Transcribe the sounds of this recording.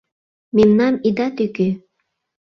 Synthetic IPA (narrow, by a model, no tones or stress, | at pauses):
memnɑmid̪ɑt̪yky